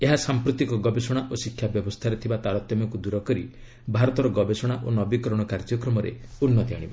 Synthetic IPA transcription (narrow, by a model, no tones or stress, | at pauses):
eɦasampɾut̪ikɔɡɔbesɔɽ̃aʔosikʰjabjɔbɔst̪ʰaɾet̪ʰibat̪aɾɔt̪jɔmɔkud̪uɾɔkɔɾi | bʱaɾɔt̪ɔɾɔɡɔbesɔɽ̃aʔonɔbikɔɾɔɽ̃ɔkaɾd͡ʒɔkɾɔmɔɾḛunːɔt̪jaɽ̃iba̰